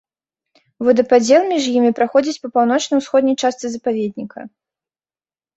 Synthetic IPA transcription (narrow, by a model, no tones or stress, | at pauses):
vɨd̪ɐpad͡zʲɛlˠmʲiʐjimʲipɾaxɔd͡zʲit͡sʲpɐpawn̪ɔt͡ʂnɐwsxɔd̪nʲɐjt͡ʂast̪sɨzɐpavʲɛd̪̚ʲnʲikʰɐ̰